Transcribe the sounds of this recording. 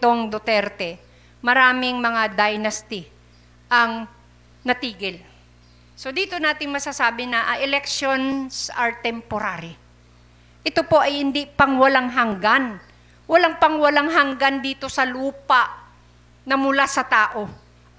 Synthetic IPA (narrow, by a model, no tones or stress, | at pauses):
t̪o̞ŋd̪ot̪ɛɾt̪ɛ | mɐɾaːmɪŋmɐŋad̪ajnɐst̪ɪ | ʔɐŋ | nɐt̪iːɡɪl | so̞d̪iːt̪o̞naːt̪ɪŋmɐsasaːbɪnɐʔɐʔɛlɛk̚ʃo̞nsɐɹt̪ɛmpoɾaɾɪ | ʔɪt̪o̞po̞ʔɐjhɪnd̪ipɐŋwɐlaŋɦɐŋɡan | wɐlaŋpɐŋwɐlaŋɦɐŋɡand̪iːt̪o̞sɐluːpaʔ | nɐmʊlasɐt̪aːʔo̞